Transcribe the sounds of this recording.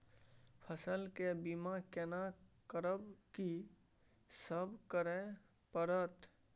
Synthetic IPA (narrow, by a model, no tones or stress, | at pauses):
pʰəsəlkebimãkenakəɾəbki | səbkəɾẽ | pəɾət̪